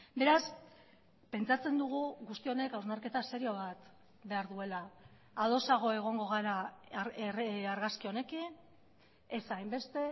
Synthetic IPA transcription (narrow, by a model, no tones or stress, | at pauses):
be̞ɾas | pe̞nt͡sat͡se̞nd̪uɣ̞uɣust̪io̞ne̞kawznaɾke̞t̪ase̞ɾio̞βat̪ | be̞aɾðue̞laː | ðo̞saɣ̞o̞e̞ɣ̞o̞ŋɡo̞ɣ̞aɾa | aɾɣaskio̞ne̞kin | esajmbe̞st̪e̞